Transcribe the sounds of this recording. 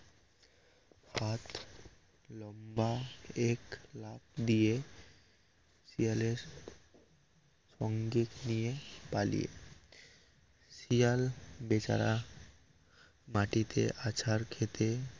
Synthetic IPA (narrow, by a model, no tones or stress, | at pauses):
hat̪ | lɔmbaeklap̚d̪ije | sijaleɾ | ʃɔŋɡiknijepalḭjḛ | sijalbet͡ɕa̰ɾa | maʈit̪ʰḛʔat͡ɕʰaɾkʰet̪ʰe